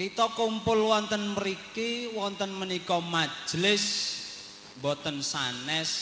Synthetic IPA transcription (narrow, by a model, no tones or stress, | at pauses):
kit̪ɔkumpʊlwɔnt̪ənməɾikiwɔnt̪ənmənikɔmḁd͡ʒ̥lɪs | bɔt̪ənsanɛs